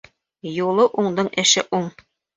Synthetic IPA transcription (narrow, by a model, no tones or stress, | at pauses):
julˠɤʔuɴd̪ɤɴʔɘ̆ʃɘʔuɴ